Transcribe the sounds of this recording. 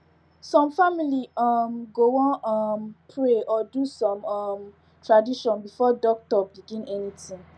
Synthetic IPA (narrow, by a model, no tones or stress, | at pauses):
sɔ̃mfamiliɔmɡowɔ̃nɔmpʰɹeɔdusɔ̃mɔm | tʰɹadiʃɔ̃nbifɔdɔk̚tɔbiɡĩnɛnitĩŋ